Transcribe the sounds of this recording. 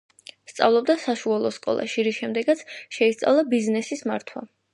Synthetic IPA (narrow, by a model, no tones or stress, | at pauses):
st̪sʼa̰vlˠɔbd̪asaʃualˠɔskʼɔ̰lˠʔa̰ʃiɾiʃɛmd̪ɛɡat̪sʰʃɛist̪sʼa̰vlˠabiznɛsisma̰ɾt̪ʰwa̰